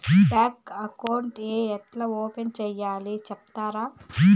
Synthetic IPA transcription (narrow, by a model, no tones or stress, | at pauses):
ʈaːkɐkɐwɳʈeːɛʈlɐoːpent͡ʃɛːjːaːlit͡ʃɛpt̪aːɾaː